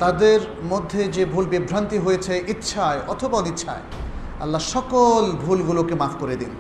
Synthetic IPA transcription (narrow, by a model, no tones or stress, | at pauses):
t̪ad̪eɾ | mod̪ʱːed͡ʑebʱulbibʱɾant̪iɦojet͡ɕʰeʔitːʃʰaeʔɔt̪ʰobaɔnit̪ːɕʰa̰e | ɐ̰lːaʃɔkolbʱulɡulokemafʰkoɾed̪ḭn